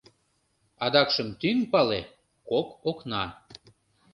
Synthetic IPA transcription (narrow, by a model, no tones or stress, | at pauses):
ɑd̪ɑkʃəmt̪yŋpɑle | kokoknɑ